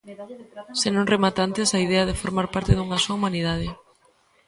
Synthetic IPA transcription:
senõŋremat̪ant̪esaið̞ɛɐðefoɾmaɾpaɾt̪ɪðuŋasoaumanið̞að̞ɪ

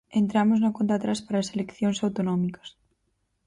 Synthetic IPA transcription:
ent̪ɾamoznokont̪at̪ɾaspaɾaːselekθjoŋsawt̪onɔmikɐ̥s

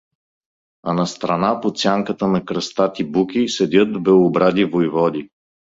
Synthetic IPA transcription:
ɐnɐst̪ɾɐnapot̪sʲjaŋkət̪ənɐkɾɐst̪at̪ibukʲisɛd̪ʲɤt̪bɛobɾad̪ivojvɔd̪i

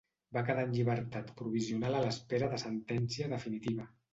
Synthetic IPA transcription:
bakəðanʎiβ̞əɾt̪at̪pɾuβ̞iziunalaləspeɾəðəsənt̪ɛnsiəðəfinit̪iβə

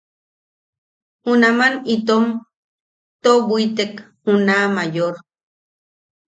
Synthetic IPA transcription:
unamanit̪om | t̪obʷit̪ek | unamajoɾ

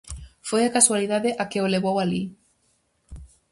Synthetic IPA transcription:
fojakaswaliðaðeʔakeoleβowali

